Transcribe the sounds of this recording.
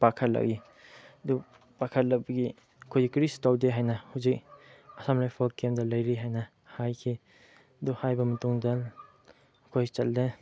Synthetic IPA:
pakʰɐtla̰ɡi | du | pakʰɐt̚lɐk̚bɐɡi | ɐkʰojɡikɾistawdeɦajnɐhuzik̚ɐsamlajpʰalkemdɐlɐjɾiɦajnɐ | hajkʰi | duhajbɐmɐtuŋda | kʰojt͡ʃɐlde

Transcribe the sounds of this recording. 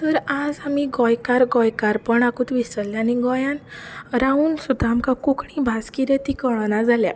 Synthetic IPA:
t̪əɾad͡zamiɡɔjkaɾɡɔjkaɾpəɳakuːt̪ʋisəlːjaniɡɔjãnɾauːnsud̪ʱːaːmkakukɳĩbʱaskiɾət̪ikəɭnad͡zalja̰

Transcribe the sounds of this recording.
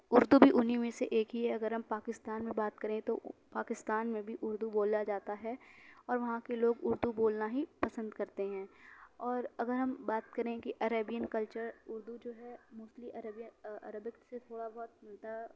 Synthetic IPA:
ʊɾd̪ubʱiʔʊnɦimẽseʔeːkɦiɦɛɐɡəɾɦɐmpaːkɪst̪aːnmẽbaːt̪kɐɾẽt̪opaːkɪst̪aːnmẽbʱiʔʊɾd̪uboːlːad͡ʒaːt̪aɦɛɔːɾʋɐɦãkeloːɡʊɾd̪uboːlnaɦipɐsə̃nd̪kɐɾt̪eɦɛ̃ːɔːɾɐɡəɾɦɐmbaːt̪kɐɾẽkiʔɐɾəbijənkɐlt͡ʃəɾʊɾd̪ud͡ʒoːɦɛmʊːsliʔɐɾəbijəɐ̰ɾəbɪkt̪set̪ʰoːɽabɔɦʊt̪̚mɐd̪a

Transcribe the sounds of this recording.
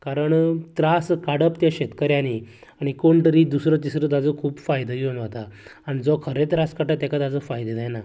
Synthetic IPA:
kaɾəɳt̪ɾaskaɽəpt̪jaɕet̪kəɾjãni | aɽ̃ikoɳt̪əɾid̪usɾət̪isɾət̪̬ad͡zəkʰuːpfajd̪əɡeunʋat̪aːñid͡zɔkʰəɾẽt̪ɾaskaʈat̪ɛ̃kat̪ad͡zəfajd̪ed̪ɛjna

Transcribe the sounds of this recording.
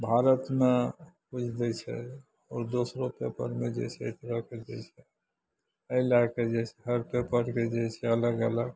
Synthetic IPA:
bʱaɾət̪mepud͡ʒʰʱd̪ɛt͡ʃʰɛ̰ | ɔːɾd̪osɾopepə̰ɾmed͡ʒɛ̰t͡ʃʰɛt̪ɾəked͡ʒɛt͡ʃʰɛ | əjlaked͡ʒɛsɛɦəɾpepəɾked͡ʒɛt͡ʃʰɛələɡələɡ

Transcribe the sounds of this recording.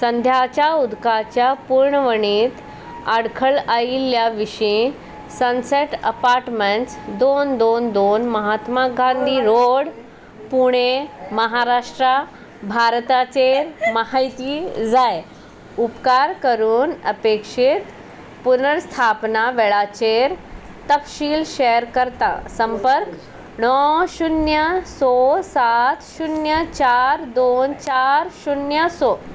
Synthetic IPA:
sənd̪ʱjat͡ɕjaud̪kat͡ɕjapuɾɳəʋəɳiːt̪ | aɽkʰəɭailːjaʋiʂĩ | sənseʈə̰paɾʈmeɳʈsd̪ond̪ond̪onməɦat̪maɡãnd̪ʱiːɾoɽ | puɽ̃eməɦaɾaʂʈɾa | bʱaɾt̪at͡ɕeɾməɦajt̪iːd͡zaj | upkaɾkəɾuːnəpekʂit̪ | punəɾst̪ʰapnaʋeɭat͡ɕeɾ | t̪əkɕiːlɕeəɾkəɾt̪a̰səmpəɾk | nɔɕunjəsosat̪ɕunjət͡ɕaɾd̪ont͡ɕaɾɕunjəso

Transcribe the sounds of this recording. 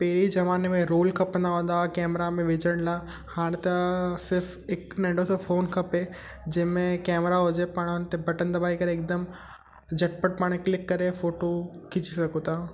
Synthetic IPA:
peɦɾizɐʋaːnemẽɾoːlkʰɐpnd̪aɦõːn̆d̪akɛːmɾamẽʋɪd͡ʑəɽ̃laː | haːɽ̃t̪ɐsɪɾf | ɪknɐ̃ɳɖosofoːnkʰɐpe | d͡ʑɐ̃ɦmẽkɛːmɾaɦʊd͡ʑepɐɽ̃ʊnt̪ebʱɐʈə̃nd̪abaːikɐɾeːk̚d̪əm | d͡ʑʱɐʈ̚pəʈ̚paːɽ̃eklɪkːɐɾefoːʈokɪd͡ʑisɐkot̪aː

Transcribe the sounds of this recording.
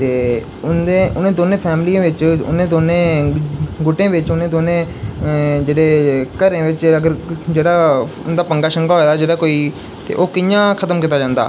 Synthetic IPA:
t̪eː | ʊnd̪ẽːʔʊnẽːd̪oːnẽːpʰɛːmlijãːʋɪt͡ʃʊ̰nẽːd̪oːnẽː | ɡʊʈẽːʋɪt͡ʃʊnẽːd̪oːnẽː | d͡ʒeːɽeːkəɾẽːʋɪt͡ʃəɡəɾd͡ʒeːɽaːʊnd̪aːpəŋɡaːʃəŋɡaːɦoːeːd̪aːd͡ʒeːɽaːkoːiː | t̪ḛːʔoːkɪjãːkʰət̪əmkit̪aːd͡ʒãːnd̪a̰ː

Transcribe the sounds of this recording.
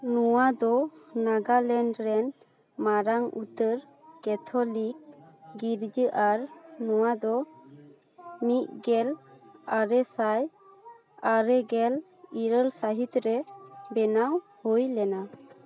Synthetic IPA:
nuwad̪ɔnaɡalɛɳɖɾɛn | maɾaŋṵt̪əɾ | kɛt̪ʰɔlik̚ɡiɾd͡ʒəʔaɾnɔwad̪ɔ | mit̪̚ˀɡɛlaɾɛsaj | aɾɛɡɛl | iɾəlsaɦit̪ɾɛbɛnaw | hɔjlɛna

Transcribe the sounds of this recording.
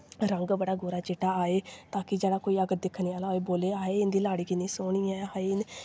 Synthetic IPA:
ɾəŋɡbəɽaːɡoːɾaːt͡ʃeːʈaːaːeːt̪aːkɪd͡ʒeːɽaːkoːiːəɡət̪̚d̪ɪkʰːniːaːlaːeːboːleːaːeːɪnd̪iːlaːɽiːkɪnĩːsoːɳiːaaen

